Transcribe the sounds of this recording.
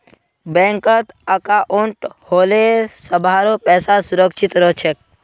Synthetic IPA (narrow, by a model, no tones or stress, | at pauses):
bɛ̃ŋkət̪əkaʔũɳʈhoːlesəbʱaːɾopɛːsasʊɾəkʃɪt̪ɾot͡ʃʰek̚